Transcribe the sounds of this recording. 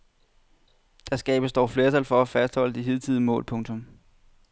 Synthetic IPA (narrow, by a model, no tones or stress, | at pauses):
d̥ɑsɡ̥ɛ̰ːb̥əsd̥ɒ̰ːfle̝ɐt͡sʰælfɒ̽æfæsd̥hɒ̽l̰əd̥iɦið̞̰ˠt͡sʰið̰ˠəmɔ̰̽ːlpʰɔ̽ŋt͡sʰɔ̽m